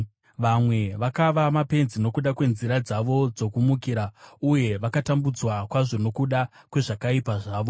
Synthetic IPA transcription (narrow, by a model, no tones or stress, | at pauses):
ʋamwe̞ʋakaʋamape̞nzino̞kuɗakwe̞nziɾad͡zaʋo̞d͡zo̞kumukiɾauje̞ʋakatambud͡zwakwaʐo̞no̞kuɗa | kwe̞ʐakaipaʐaːʋo